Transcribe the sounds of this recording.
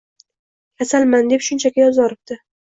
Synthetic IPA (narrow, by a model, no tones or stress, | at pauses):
kʲʰasalmand̪e̞pʃʊnt͡ʃʰakʲajɒzɒɾɪb̚t̪ɪ